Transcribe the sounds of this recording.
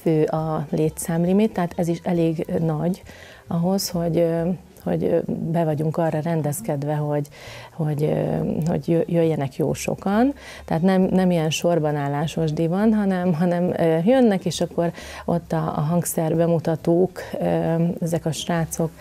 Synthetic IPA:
føːʔɒleːt̪saːmlimit̪ːɛɦat̪ɛziʃɛleːɡnɒɟ | ɒɦo̞sho̞ɟ | ho̞̰ɟbɛvɒɟuŋkɒrːɒrɛnd̪ɛskɛd̪ʋɛɦo̞ɟ | ho̞ɟho̞̰ɟjøjøjːɛnɛkjo̰ːʃo̞̰kɒn | t̪ɛaːt̪nɛmnɛmijɛnʃo̞rbɒnaːlːaːʃmoʒd̪ivɒnɦɒnɛmɦɒnɛmøːjønːɛkeːʃɒkːo̞ɾʔo̞t̪ːɒ̰ːɦɒŋksɛrbɛmut̪ɒt̪uːkøɛzɛkɒʃraːt̪so̞k

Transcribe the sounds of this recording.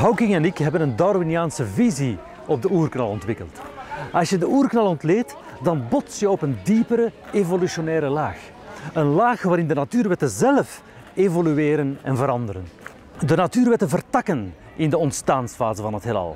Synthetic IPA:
ɦawkɪŋɛnɪkɦɛbənəndarminijaːnsəvizi | ɔb̚dəuːrknɑlˠɔntʋɪkə̰lˠtɑsjədəuːrknɑlˠɔntleːt | dɑnbɔtsjəɔpəndipəɾəevolysonɛːɾəlaːx | ənlaːxʋaːɾɪndənatyːrʋɛtəzɛləf | evolyeːɾənɛnvəɾɑndəɾən | dənatyːrʋɛtənvərtɑkən | ɪndəɔntstaːnsfaːzəvɑnɦətɦelɑ̰lˠ

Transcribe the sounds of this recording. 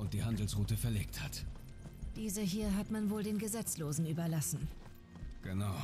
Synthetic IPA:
ʊnt̚d̥iːhandl̩sʁ̥uːtəfɛɐleːk̚that | d̥iːzəɦiːɐɦatmanvoːldeːnɡəzɛt͡sloːzn̩yːbɐlasn̩ | ɡ̥ənaʊ

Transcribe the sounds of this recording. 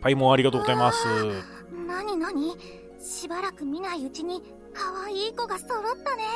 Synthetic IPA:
paimõaɾʲiɡat̪oɡozaimasɨ | naɲ̟inaɲ̟i | ɕibaɾakɯ̟mʲinaiɯ̟t͡ɕiɲ̟i | kaβaiːko̞ɡaso̞ɾo̞t̪ːane̞

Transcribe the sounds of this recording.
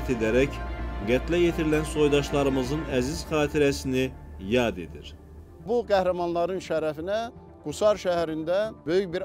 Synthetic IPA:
t̪ʰe̞d̪æɾæcɡæt̪ʰlæjet̪ʰiɾilænso̞jd̪ɑʃlˠɑɾɯmɯzɯnæziz̥χɑːt̪ʰiɾæsinijɑːd̪e̞d̪ḭɾ | buɡæhɾæmɑnlˠɑɾɯnʃæɾæfinæ | ɡ̥usɑɾʃæɦæɾind̪æbø̞jyçbiɾ

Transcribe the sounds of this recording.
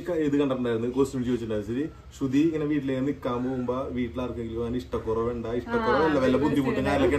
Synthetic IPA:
kːɐeðɨkɐɳɖɐpːɐɳɖaːjɾnːɨkoːsumit͡ɕioːit͡ɕːʈːuɳːaːjsɐɾi | ɕud̪iŋːɐneʋiːʈːilekːenikːaːmboːumbaʋiːʈːilaːrkueŋɡilɲaɐniʂʈɐkːurɐʋeɳɖaiʂʈɐkːurɐʋilːɐʋɐilːɐpud̪ʱːimuʈːenaːɾlɐkːe

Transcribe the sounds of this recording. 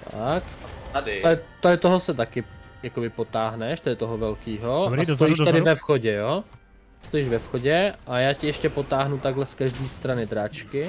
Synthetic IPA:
t̪akdɪot̪ːoɪt̪oɦosɛt̪akɪjakobɪpot̪aːɦnɛʃt̪ɛdɪt̪oɦovɛlkiːɦoɾasjiʃt̪ɛdɪvɛfxoɟɛjoː | st̪ojiːʒvɛfxoɟɛʔajaːcɪɛʃcɛpot̪aːɦnut̪aɡɦlɛskaʒdiːst̪ɾanɪd̪ɾat͡ʃkɪ

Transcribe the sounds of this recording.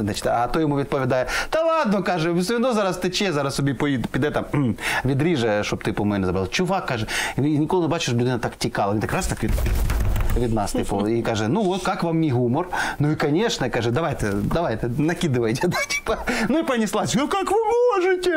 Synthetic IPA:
znat͡ɕɪ̥t̪ʲat̪ojɪmuvʲɪt̪̚ʲpəvʲɪd̪ajəd̪ɐlˠad̪̚nokaʐɨvʲsvʲɪnozaɾast̪ɨt͡ɕezaɾassʊbʲipoit̪pʲɪd̪ɛt̪amvʲɪd̪ɾʲiʐɨʂt̪opt̪ɨpɐmojʲnʲəɪzɐbɾʲlˠt͡ɕʊvakːaʐɨnʲɪkolˠnɨbat͡ɕɪʂblʲʊd̪ɛnɐt̪aktʲɪkalˠəmʲɪt̪akɾast̪akvʲɪd̪ | vʲɪd̪nast̪ɨjpolˠikaʐɨnuvot̪kakvamnʲiɦumərnuɪkɐnʲeʂnəkaʐɨd̪ɐvajt̪ɨd̪ɐvajt̪ɨnɐkʲid̪ɨvəjtʲɪd̪atʲi̥pənuipənʲɪslˠasɐkakvɨmoʐɨtʲɪ

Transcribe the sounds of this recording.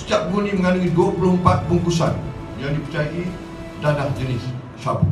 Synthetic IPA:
sə̥t̪iap̚ɡunĩməŋanaiduapuɾoəmpat̪̚buŋkusan | jaŋdipət͡ʃajaʔi | dadahd͡ʒənɪs | sab

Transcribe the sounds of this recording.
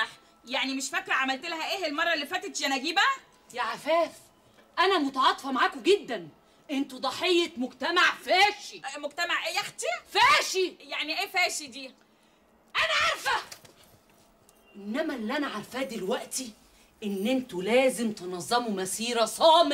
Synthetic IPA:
ɑħ | jaʕnimeʃfækːɾʕamælt̪elɦæʔeːhelmɑrˤːɑelːifæːt̪et̪jænæɡiːbæʔ | jæʕafæːf | ʔænæmot̪ɑʕɑːt̪ˤfɑmaʕaːkoɡed̪ːæn | ʔent̪ud̪ˤɑħejːemoɡt̪æmaʕfæːʃimoɡ̚t̪æmaʕʔeːjæxt̪efæːʃijaʕniʔeːfæːʃid̪iː | ʔænæʕɑɾˤfæ | ʔenːæmælːiʔænæʕaɾˤfæːd̪elwæʔt̪i | ʔenːʔent̪ulæːzemt̪enɑzˤːɑmumæsiːɾæsˤɑːme

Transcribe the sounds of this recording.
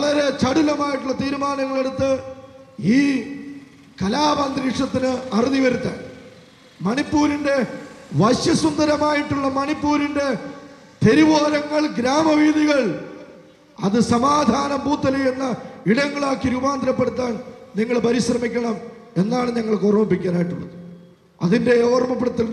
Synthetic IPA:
ɐɭɐɾe̞t͡ɕɐɽulɐmaːjiʈːuɭːɐt̪iːɾumaːnɐŋːɐɭe̞ɽut̪ːɨ | iː | kɐlaːbɐnd̪ɾiʂɐt̪ːinɨɐriðiʋɐɾut̪ːɐn | mɐnipːuːɾinde̞ʋɐɕjɐsund̪ɐɾɐmaːjiʈːuɭːɐmɐɳipːuːɾinde̞ | t̪e̞ɾiʋoːɾɐŋːɐɭɡɾaːmɐʋiːðiɣɐɭ | ɐðɨsɐmaːd̪ʱaːnɐmbuːt̪ːɐlɐjenːɐiɽɐŋːɐɭaːkːiɾubaːnd̪ɾɐpːeɽut̪̬ːaːnniŋːɐɭpɐɾiɕrɐmikʲːɐɳɐm | e̞nːaːɳɨɲɐŋːɐɭkorɐmɐmpːikʲːaːnaːjiʈːuɭːɐ̰ðɨ | ɐðinde̞oːrmɐpːeɽɐt̪ːil

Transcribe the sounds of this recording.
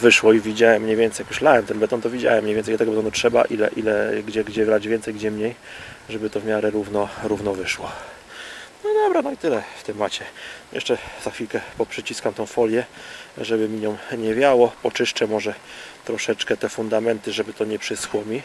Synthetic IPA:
vɘʂwɔivʲid͡ʑawɛmːɲɛvʲɛnt̪ɛjakjuɕlawɛmt̪ɛnbɛt̪ɔnt̪ɔvʲid͡ʑa̰wɛmːɲejvʲɛnjlat̪ɛɡɔbɛt̪ɔnutʂɛba̰ʔilɛ̰ʔilɛɡd͡ʑɛɡd͡ʑɛvɾad͡ʑvʲjɛnt̪sɛjɡd͡ʑɛmɲejʐɛbɘt̪ɔvmʲjaɾɛɾuvnɔɾuvnɔvɘʂwɔ | nɔid̪ɔbɾanɔit̪ɘlɛft̪ɛmat͡ɕɛjɛ̰ʂt͡ʂɛzaxfʲilkɛpɔpʂɘt͡ɕiskamt̪ɔ̃w̃fɔlʲjɛʐɛbɘmʲiɲɔmɲɛvʲjawɔpɔt͡ʂɘʂt͡ʂɛmɔʐɛt̪ɾɔʂɛt͡ʂkɛt̪ɛfund̪amɛnt̪ɘʐɛbɘt̪ɔɲɛpʂɘswɔmʲi

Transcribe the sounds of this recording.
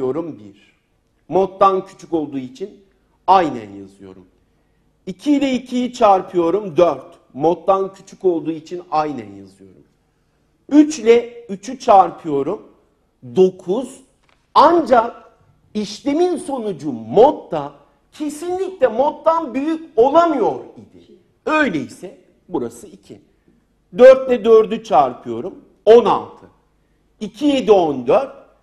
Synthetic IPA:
jo̞ɾumbiɾ̥ | mot̪ːancʰy̥t͡ʃʰyco̞lˠd̪uːit͡ʃʰin | ajnæ̰nja̰zɯjo̞̰ɾum | icʰilʲɛicʰijit͡ʃʰaɾpʰɯjo̞ɾumd̪øɾt̪ | mot̪ːancʰy̥t͡ʃʰyco̞lˠd̪uːit͡ʃʰinajnæ̰nja̰zɯjo̞̰ɾṵm | yt͡ʃlʲɛyt͡ʃʰyt͡ʃʰaɾpʰɯjo̞ɾum | d̪o̞kʰuz̥ | and͡ʒak̚ | iʃlʲe̞minso̞nud͡ʒumot̪ːa | cʰe̞sinlʲiclʲɛmo̞t̪ːanbyjyco̞lˠamɯjo̞ɾid̪ɪ | ø̞jlʲeisɛ | buɾa̰sɯicʰi | d̪øɾt̪lʲɛd̪ø̞ɾd̪yt͡ʃʰaɾpʰɯjo̞ɾum | o̞na̰lˠt̪ʰɯ | icʰije̞d̪iond̪øɾt̪̚

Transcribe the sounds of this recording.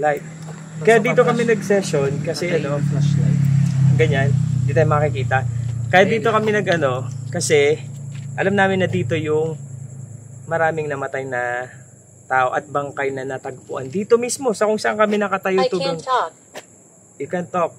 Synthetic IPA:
lajt̪̚ | kɐjad̪iːt̪o̞kɐmɛnɐɡsɛʃo̞nkɐsɛʔɐno̞flasla̰jt̪ɡɐɲand̪it̪ɐjmɐɐkɪkiːt̪ɐkɐjatd̪iːt̪o̞kɐmɛnɐɡʔɐno̞kɐsɛ | ʔɐlamnaːmɪnːɐd̪iːt̪o̞jʊŋ | mɐɾaːmɪŋnɐmɐt̪ajnɐ | t̪aːʔo̞ʔɐt̪̚bɐŋkajnɐnɐt̪ɐɡ̚pʊʔɐ̰nd̪iːt̪o̞mismo̞sɐkʊŋsɐʔaŋkɐmɛnɐkɐt̪ɐjot̪uːloŋ | ʔɪkɛnt̪ok̚

